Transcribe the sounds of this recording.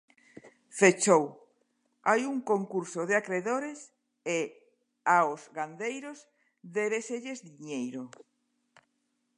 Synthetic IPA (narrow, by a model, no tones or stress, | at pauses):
fet͡ʃow | ajuŋkoŋkuɾsoðeakɾeðoɾes | e | aozɣand̪ejɾoz | ðeβeseʎezðiɲejɾo